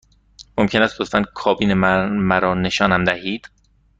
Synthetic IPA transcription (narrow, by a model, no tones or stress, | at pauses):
momcʰe̞næst̪̚ɡot̪fænkʰɒːbiːnemæɾɒːne̞ʃɒːnæmd̪æhiːd̪̥